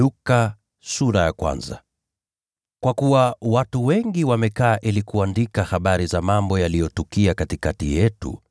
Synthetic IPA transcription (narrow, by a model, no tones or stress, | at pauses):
uka | suɾajakwa̰nza̰ | kwakuwawatuwɛŋɡiwamɛkaːʔilikuandikahaɓaɾizamambɔjalijɔtukiakatikatijɛtṵ